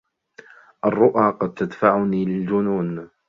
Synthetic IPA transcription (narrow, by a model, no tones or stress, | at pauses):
ʔɑrˤːʊʔaːqɑd̪̚t̪ad̪faʕʊniːlɪld͡ʒʊnuːn